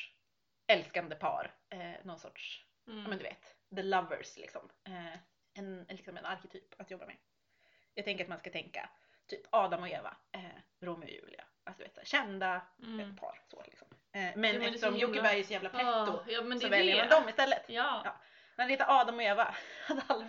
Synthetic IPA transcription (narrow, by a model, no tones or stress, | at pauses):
ɛlskand̪əpʰɑ̰ːɾnɔnsɔ̰ʈʂ | jjɑːmɛnd̪ɵvḛːt̪d̪əlavə̰ɾslɪ̰ksɔmɛ | ɛnlɪksɔmɛ̰naɾkɛt̪ʰyːpat̪jɔbːamɛ̰ | jɑːɡt̪ɛŋkəɾat̪manskat̪ʰɛŋka̰ | t̪ʰyːpʰɑːd̪amɔeːva̰ɛ | ɾumɪɔ̰jʉ̟̰ːlɪ̰a̰ʔasd̪ɵvḛːt̪sæ̰ːʂɕɛnd̪aɛpʰɑ̰ːɾso̰lɪ̰ksɔm | ɛmɛnɛfəʂɔmjʊɪbæɾæɾjʉsɔjæːvlap̪ʰʊsɔvɛljəɾmand̪ɔmɪst̪ɛlːət̪ːjɑ̰ː | nɛheːt̪ːaɾʔɑːd̪amɔeːvaasl